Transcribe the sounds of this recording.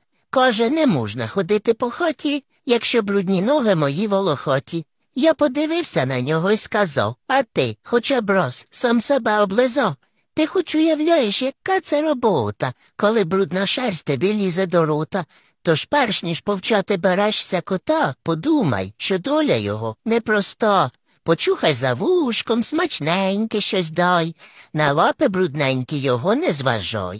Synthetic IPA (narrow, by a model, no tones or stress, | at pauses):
kɔʒɛnɛmuʒnɐxɔd̪ɪt̪ɪpɔxɔtʲi | jɐkʃt͡ʃɔbɾud̪ʲnʲinɔɦɪmɔjiʋɔlˠɔxɔtʲi | japɔd̪ɪʋɪwsʲɐnɐnʲɔɦɔiskɐzɑ̰wɐt̪ɪxɔt͡ʃabɾɔssɑmsɛbɛɔblˠɪzɑw | t̪ɪxɔt͡ʃʊjɐwlʲajeʃjɐkːat̪sɛɾɔbɔwt̪ɐ | kɔlˠɪbɾud̪nɐʃɛrsʲt̪ɪbʲilʲizɐd̪ɔɾut̪ɐ | t̪ɔʃpɛrʃnʲiʃpɔwt͡ʃɑt̪ɪbeɾɛʃsʲɐkɔt̪ɑpɔd̪umɐ̰jʃt͡ʃɔd̪ɔlʲɐ̰jɔ̰ɦɔnɛpɾɔst̪ɔ | pɔt͡ʃuxɐjzɐʋuʃkɔmsmɐt͡ʃnɛnʲkɪʃt͡ʃɔsʲd̪ɑjnɐlˠɑpɪbɾud̪nɛnʲkɪjɔɦɔnɛzʋɐ̰ʒɔ̰j